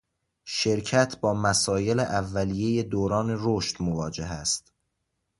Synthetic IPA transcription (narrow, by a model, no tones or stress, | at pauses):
ʃe̞ɾcʰæt̪ʰbɒːmæsɒːje̞leʔævːælijeje̞d̪oːɾɒːne̞ɾoʃt̪movɒːd͡ʒe̞ɦæst̪